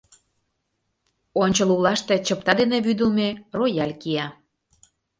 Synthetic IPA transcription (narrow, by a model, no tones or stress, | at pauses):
onʲt͡ɕəlulɑʃt̪et͡ɕəp̚t̪ɑd̪eneβyd̪ə̆lmerojælʲkiɑ